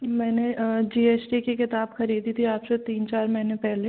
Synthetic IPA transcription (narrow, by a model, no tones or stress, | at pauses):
mɛːned͡ʒiːeːsʈikekɪt̪aːbxɐɾiːd̪it̪ʰiaːpset̪iːnt͡ʃaːɾmɐɦnepɛɦle